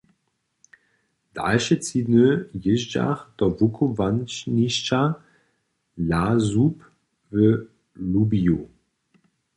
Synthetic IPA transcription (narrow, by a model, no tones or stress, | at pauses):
d̥a̰lʃət͡sinøjɪʒd͡ʒa̰χd̪̥ɔvukʰovant͡ʃniʃt͡ʃa | lazup | və | lubiu